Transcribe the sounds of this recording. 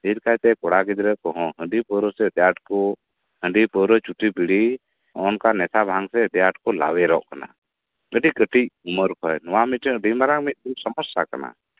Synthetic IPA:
biɾkajt̪ɛkɔɽaɡid̪ɾəkɔɦɔ̃ɦə̃ɳɖipəɾəsɛd̪jaʈ̚ko | hə̃ɳɖipəɾət͡ʃuʈibiɽi | ɔnkanɛsabʱãŋɡsɛəd̪jaʈkɔla̰wɛɾɔʔkana̰ | əɖikəʈiuməɾkʰɔjnɔwamiʈəɾimaɾaŋmit̪̚dimsəmɔsakana̰

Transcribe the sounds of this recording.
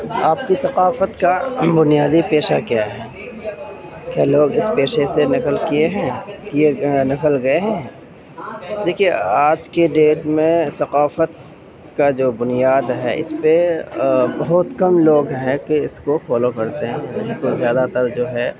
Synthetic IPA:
aːp̚kisɐqaːfət̪kabʊnijaːd̪ipeːʃakjaːɦɛ | kjaːloːɡɪspeːʃesenɪkəlkieɦɛ̃ːkienɪkəlɡɐeɦɛ̃ː | d̪eːkʰijeaːd͡ʒkeɖeːʈmẽsɐqaːfət̪̚ | kad͡ʒoːbʊnijaːd̪ɦɛ̰ɪ̰spe | bɐɦʊt̪kɐmloːɡɦɛ̃keɪskofɔːlokɐɾt̪eɦɛ̃ɐɦt̪ozjaːd̪at̪əɾd͡ʒoːɦɛ

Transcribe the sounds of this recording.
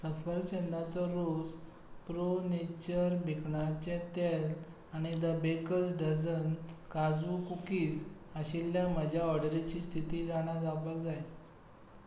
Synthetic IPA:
səfəɾt͡ɕend̪at͡sɔɾod͡z | pɾonet͡ɕəɾbʱekɳat͡ɕẽt̪ɛl | aɽ̃id̪əbekət͡sɖəd͡zənkad͡zukukiːt͡səɕilːjaməd͡ʑʱjaɔɽɾet͡ɕiːst̪ʰit̪iːd͡zaɽ̃ad͡zabəld͡zaj

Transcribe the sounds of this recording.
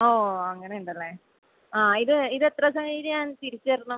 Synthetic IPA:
oːɐŋːɐneuɳɖɐlːeː | aːiðɨiðet̪rɐsɐŋɐiɾɲaːnt̪iɾit͡ɕːɐɾunu

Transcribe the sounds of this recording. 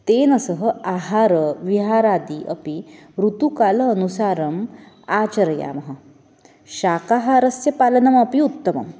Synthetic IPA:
t̪enɐsəɦəaɦaɾəʋiɦaɾad̪iʔə̰pi | ɾut̪ukaləːnusaːɾɐm | aːt͡ʃɐɾja̰mɐɦɐ | ɕakaɦaɾɐsjɐpalɐnɐmɐpiut̪ːəmɐ̰m

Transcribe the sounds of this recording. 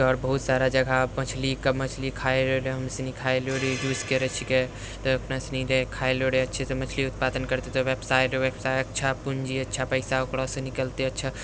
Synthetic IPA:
ɔːɾbəɦut̪saɾad͡ʒəɡʱapət͡ʃʰlikəmət͡ʃʰlikʰaeleɾeɦəmsnikʰaeloɽid͡ʒuskeɾɛt͡ʃʰike | t̪ɔəpnasniɾekʰaeloɽeətːʃʰet̪ɔmət͡ʃʰliut̪pad̪ənkəɾt̪et̪ɔʋebsajʈɾeʋebsajəkːt͡ʃʰapund͡ʒiətːt͡ʃʰapəɪsaokɽɔsẽnikəlt̪eətːt͡ʃʰa

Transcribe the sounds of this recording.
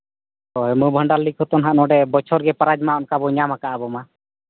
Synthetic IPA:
ɔɦɛmɔbʱəɳɖalːikʰɔt̪ɔnɦaʔnɔɖɛbɔt͡ʃʰɔɾɡɛpaɾad͡ʒmaɔnkabɔɲamakaʔabɔma

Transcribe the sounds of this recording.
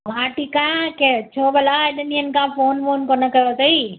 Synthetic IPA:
maːʈikãket͡ɕʰoːbɐlaːɪɗəniənkãːfoːnfoːnkonəkɐjot̪ɐi

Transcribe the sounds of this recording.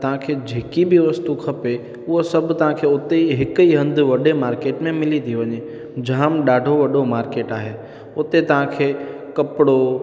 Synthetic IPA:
t̪ɐʋ̤ɦãkʰed͡ʑeːkibɪʋɐst̪ukʰɐpe | ʊɦosɐbʱt̪ɐɦãkʰeʊt̪eɦɪkiɦɐ̃nd̪ʱʊʋɐɗemaːɾkeːʈmẽmɪlit̪ʰiʋɐɲe | d͡ʑaːmɗaːɖʱoʋɐɗomaːɾkeːʈaːɦe | ʊt̪et̪ɐʋ̤ãkʰeː | kɐpɪɽo

